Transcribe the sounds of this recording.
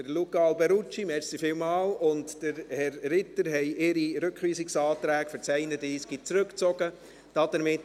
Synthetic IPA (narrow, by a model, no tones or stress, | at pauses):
əɾlukɑlbɛɾut͡ʃimɛɾsifɪːwmɑːlʊntd̥əɾhɛrːɪtəɾɦɛɪɪɾiɾɵkχʋiːsɪksɑːtɾæːɡfɨɾt͡sɛɪnədiːskit͡sɾɵkt͡sɔɡə | d̥ɑd̥əɾmɪt